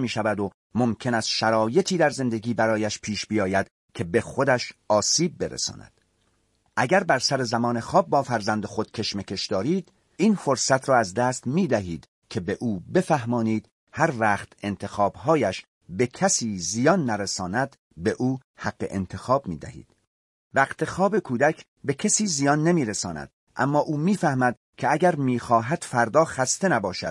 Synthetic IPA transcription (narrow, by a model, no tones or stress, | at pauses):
miːʃævæd̪o | momcʰe̞næst̪ʃæɾɒːje̞t̪ʰiːd̪æɾze̞nd̪e̞ɡiːbæɾɒːjæʃpʰiːʃbijɒːjæd̪̥ | kʰe̞bexo̞d̪æʃɒːsiːb̚ːe̞ɾḛsɒ̰ːnæ̰d̪̥ | ʔæɡæɾbæɾsæɾe̞zæmɒːne̞xɒːb̚ːɒːfæɾzænd̪exo̞d̪̥̚t͡ʃʰe̞ʃmecʰe̞ʃd̪ɒːɾiːd̪ | iːnfoɾsæt̪ʰrɒːæzd̪æːst̪miːd̪æɦiːd̪̥ | kʰe̞be̞ʔuːbe̞fæɦmɒːniːd̪̥ | hæɾvæːχt̪ʰe̞nt̪ʰe̞xɒːb̥ɦɒːjæʃ | be̞kʰæsiːzijɒːnːæɾesɒːnæd̪̥ | be̞ʔuːhæɡːḛʔḛnt̪ʰexɒːbmḭːd̪æ̰hḭːd̪̥ | væqt̪ʰe̞xɒːbe̞kʰuːd̪ækʰ | be̞cʰesiːzijɒːnːemiːɾesɒ̰ːnæ̰d̪̥ | ʔæ̰mːɒːʔuːmiːfæhmæd̪̥̚ | kʲʰeæɟæɾmiːxɒːɦæd̪̥fæɾd̪ɒːxæst̪e̞næbɒːʃæ̰d̪̥̚